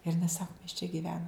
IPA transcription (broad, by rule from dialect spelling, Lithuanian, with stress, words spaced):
ɪr ɪˈnɐɪ ˈsɑːkʊ mʲɛs t͡ʃʲɛ ɡʲɪˈʋʲæːnoːm